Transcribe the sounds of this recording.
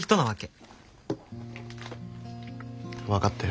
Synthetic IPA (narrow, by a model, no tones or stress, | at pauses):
çi̥t̪o̞naβake | βakat̪ːa